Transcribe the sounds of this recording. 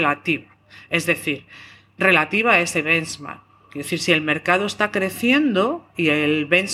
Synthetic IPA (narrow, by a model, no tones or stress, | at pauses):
lat̪iβa | e̞zðe̞θiɾ | re̞lat̪iβaae̞se̞βe̞nzma̰ | kjeeθiɾsie̞lme̞ɾkað̞oe̞st̪akɾe̞θje̞nd̪o̞ielβe̞ns